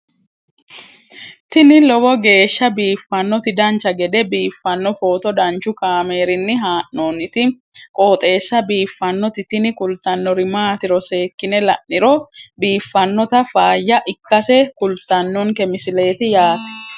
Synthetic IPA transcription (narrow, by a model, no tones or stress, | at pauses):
t̪ɪnɪlɔɡɔɡe̞ːʃːɐbiːfːɐnːɔt̪ɪd̪ɐnt͡ʃːɐɡɛd̪ɛbiːfːɐnːɔfo̞ːt̪ɔd̪ɐnt͡ʃʊkaːme̞ːɾɪnːɪɦaːʔnoːnɪt̪ɪ | kʼoːt̪ʼe̞ːsːɐbiːfːɐnːɔt̪ɪt̪ɪnɪkʊlt̪ːɐnːɔɾɪmaːt̪ɪɾɔse̞ːkːɪnɛlɐʔnɪɾɔbiːfːɐnːɔt̪ɐfaːjːɐʔɪkːɐsɛkʊlt̪ːɐnːɔŋkɛmɪsɪle̞ːt̪ɪjaːt̪ɛ̥